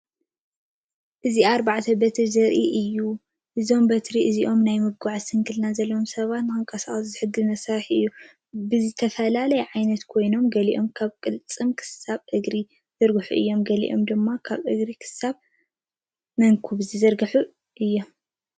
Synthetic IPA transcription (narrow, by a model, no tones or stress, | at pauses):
ʔɨziaɾbaʕt̪ʰɐbɐt̪ʰizɨɾʔiʔɨjːu | ʔɨzio̞mbɐt̪ɾiʔɨziʔo̞mnajmɨɡaʕsɨŋkʰɨlnazɐlːoomsɐβat̪nɨxɨŋkʼɐsaχʼɐszɨħɨɡɨnɐsɐɾħʔɨjːu | bɨzɨt̪ʰɐfɐlalɐjʕajnɐt̪kʰo̞jno̞mɡɐliʔo̞mkʰaβkʼɨlt͡sʼɨmkʰɨ̥saβʔɨɡɾi | zɨɾɡɨħuʔɨ̰jːo̞mɡɐlḭʔo̞̰md̪ɨmːakʰaβʔɨɡɾikʰɨ̥saβ | mɐŋkʰuβzɨzɐɾɡɨħu | ʔɨjːo̞m